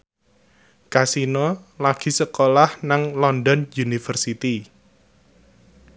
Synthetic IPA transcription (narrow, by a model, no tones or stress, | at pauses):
kasinɔlaɡ̥i̤səkolahnaŋlɔnd̪ɔnjunifərsit̪i